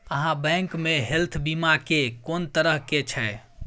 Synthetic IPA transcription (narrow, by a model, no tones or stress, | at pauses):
əɦãbɛ̃ŋkmeɦelt̪ʰbimakekont̪əɾəɦket͡ʃʰɛ